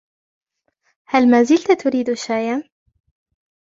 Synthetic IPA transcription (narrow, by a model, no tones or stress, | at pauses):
halmazilt̪at̪ʰʊɾiːd̪uʃaːjan